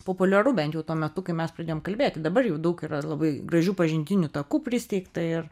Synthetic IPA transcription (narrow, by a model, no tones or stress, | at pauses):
poːpʊlʲɛɾʊbʲɛnt̪ʲjɛʊt̪uɔmʲɛt̪ʊkɐɪmʲɛsprɐd̪ʲeːjoːmkɐlʲbʲeːt̪ʲɪd̪ɐbɐrjɛʊd̪ɐʊkiːɾɐlˠɐbɐɪɡrɐʒʲuːpɐʒʲɪnʲd̪ʲɪnʲʊt̪ɐkuːpʲɾʲɪsʲt̪ʲɛɪkt̪ɐɪr